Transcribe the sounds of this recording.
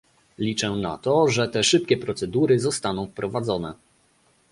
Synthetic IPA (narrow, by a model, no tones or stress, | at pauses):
lʲit͡ʂɛna̰t̪ɔʐɛt̪ɛʂɘpkʲɛpɾɔt̪sɛd̪uɾɘzɔst̪anɔ̃w̃fpɾɔvad̪zɔnɛ̰